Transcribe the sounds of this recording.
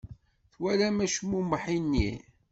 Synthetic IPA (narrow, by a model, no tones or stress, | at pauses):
θwælæmæʃmuməħinːḭ